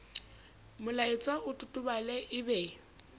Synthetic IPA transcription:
mʊlaɪt͡sʼaʊtʼʊtʼʊbalɛʔɪbɛ

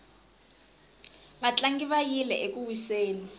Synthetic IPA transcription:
bat͡ɬʼaŋɡiβajilɛʔekuwiseːni

